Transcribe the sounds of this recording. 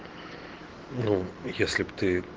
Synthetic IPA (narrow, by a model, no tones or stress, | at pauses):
nujesʲlʲipt̪ɨ